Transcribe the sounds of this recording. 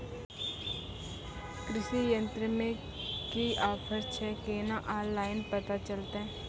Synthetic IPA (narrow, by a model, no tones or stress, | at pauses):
kɾɪʃijə̃nt̪ɾəmẽ | kiaːpʰəɾt͡ʃʰɛkeːnaʔaːnlaːɪnpət̪at͡ʃəlt̪eɦɛ̃ː